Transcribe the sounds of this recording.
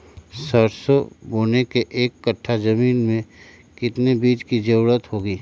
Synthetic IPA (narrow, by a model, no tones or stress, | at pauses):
səɾsoboːnekeʔeːkːəʈʰːad͡ʒɐmiːnmẽ | kɪt̪nebiːd͡ʒkid͡ʒəʊɾət̪ɦoːɡiː